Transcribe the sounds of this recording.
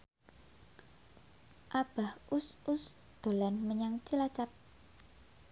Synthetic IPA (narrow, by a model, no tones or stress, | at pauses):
ʔab̥ahʔʊsʊs | d̪̥o̤lanməɲaŋt͡ʃilat͡ʃap̚